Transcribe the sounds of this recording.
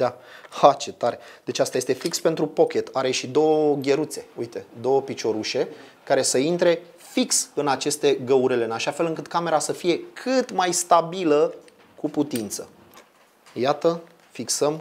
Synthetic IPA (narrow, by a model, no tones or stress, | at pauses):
d̪ahat͡ʃe̞t̪aɾed̪e̞t͡ʃast̪aje̞st̪e̞fikspe̞nt̪ɾupo̞kʲe̞t̪aɾe̞ʃid̪o̞wəɡʲe̞ɾut̪se̞ujt̪e̞d̪o̞wəpit͡ʃo̞ɾuʃe̞ | kaɾe̞səint̪ɾe̞ | fiksɨnat͡ʃe̞st̪e̞ɡəuɾele̞ɨnaʃafe̞lɨŋkɨt̪kame̞ɾasəfije̞kʰɨt̪majst̪abilə | kuput̪int̪sə | jat̪ə | fiksəm